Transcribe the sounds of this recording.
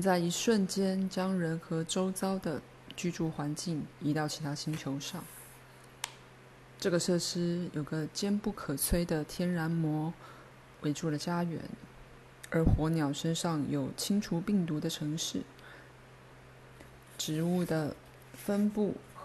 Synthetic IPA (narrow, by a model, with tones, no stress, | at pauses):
nt͡sa˥˩ɪi˧˥ʂwə˥˩nt͡ɕjɛ˥nt͡ɕjɑ˥ŋɻə˧˥nxɤ˧˥ʈ͡ʂo˥ʊt͡sɑ˥ʊd̪ə˨ | t͡ɕy˥˧ʈ͡ʂu˥˩xwa˧˥nt͡ɕi˥˩ŋi˧˥t̪ɑ˥˩ʊt͡ɕʰi˧˥t̪ʰa˥ɕi˥ŋt͡ɕʰjo˧˥ʊʂɑ˥˩ŋ | ʈ͡ʂɤ˥˩ɡə˩ʂɤ˥˩ʂɻ̩˥jo˨˩ʊɡə˦t͡ɕjɛ˥npu˥˩kʰɤə˨˩t͡sʰwe˥ɪd̪ə˨t̪ʰjɛ˥nɻa˧˥nmwɔ˧˥ | wʔe˧˥ɪʈ͡ʂu˥˩lə˩t͡ɕja˥ɥɛ̰˧˥n | ə˞˧˥xwɔ˧˥njɑ˨˩ʊʂə˥nʂɑ˥˩ŋjo˨˩ʊt͡ɕʰi˥ŋʈ͡ʂʰu˧˥pi˥˩ŋt̪u˧˥d̪ə˧ʈ͡ʂʰɤ˧˥ŋʂɻ̩˥˩ | ʈ͡ʂɻ̩˧˥u˥˩d̪ə˩ | fə˥npu˥˩